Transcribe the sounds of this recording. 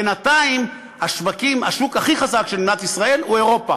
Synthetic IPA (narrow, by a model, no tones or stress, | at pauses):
enat̪aim | aʃvakima̰ʃukaχiχazakʃelnat̪isʁae̞lue̞ʁo̞pa